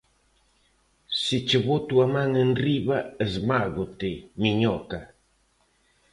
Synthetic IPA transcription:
sit͡ʃɪβot̪uamãŋenriβaezmaɣot̪ɪmiɲɔka

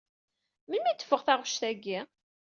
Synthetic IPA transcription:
mənmit̪ːə̥fːəʁθæʁʊʃθæɡːi

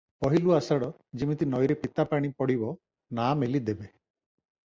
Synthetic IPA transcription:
pɔɦiluasaɽɔ | d͡ʒimit̪inɔjɾepit̪apaɽ̃ipɔɽibɔ | namelid̪ebe

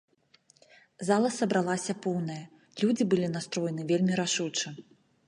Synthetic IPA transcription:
zalˠɐsɐbɾalˠasʲɐpɔwnɐjɐ | lʲud͡zʲibɨlʲin̪ast̪ɾɔjɛnɨvʲelʲmʲiɾaʂut͡ʂɨ

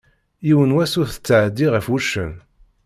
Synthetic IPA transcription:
jiwənwæsʊɾθə̥t͡sːʕəd̪ːiʁəfuʃə̰n

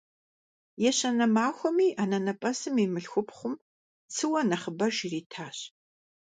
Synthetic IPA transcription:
jɛɕɐnɐmaːxʷɔmiːʔanɐnɐpʼɐsɨmimɨɬxʷʊpχʷʊm | t͡sʰɨwɐnɐχəbɐʒiriːtʰaːɕ

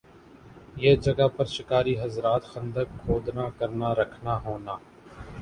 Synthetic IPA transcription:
jeːd͡ʒɐɡapɐɾʃɪkaːɾiɦɐzɾaːt̪xɐ̃nd̪əkkʰoːd̪nakɐɾnaɾɐkʰnaɦoːnaː

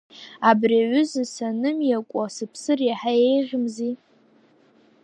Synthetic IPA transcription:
abriaɥʷʏzɨsanɨmjakʷʼasɨpʰsɨriħajejʁʲmzi

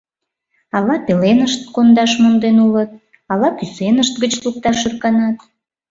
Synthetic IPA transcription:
ɑlɑpelenəʃt̪̚kond̪ɑʃmond̪enulət̪̚ | ɑlɑkysenəʃt̪ɡət͡ɕluk̚t̪ɑʃyrkɑnɑt̪

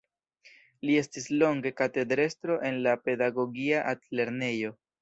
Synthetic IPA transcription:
lie̞stislo̞ŋɡe̞kate̞dɾe̞stɾo̞ʔe̞nlape̞daɡo̞ɡiaʔatle̞ɾne̞jo̞

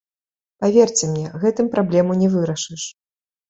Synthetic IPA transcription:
pavʲɛrt͡sʲɛmnʲɛɣɛt̪ɨmpɾablʲɛmunʲɛvɨɾɐʂɨʂ

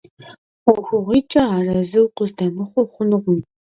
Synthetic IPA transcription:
wɔxʷʊʁʷiːt͡ʃʼɐaːrɐzɨwqʷʊzdɐmɨχʷɔχʷʊnʁʷʊm

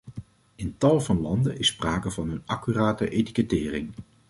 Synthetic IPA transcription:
ɪntɑlˠvɑnlɑndənɪspraːkəvɑnɦɵnɑkyraːtəʔejti̥kətɪːrɪŋ

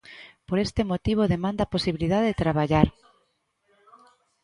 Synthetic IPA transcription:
poɾest̪emot̪iβ̞oðemãnd̪aposiβiliðaðeðet̪ɾaβ̞aʎaɾ

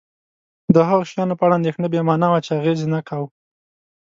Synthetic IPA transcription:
d̪əɦaɣoʃjɑnopəaɽaːnd̪exnəbjemɑnawat͡ʃeaɣezenakʰaw

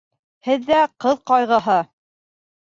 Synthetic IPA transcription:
hɘðːæqɤðqɑjʁɤ̆ɦɤ

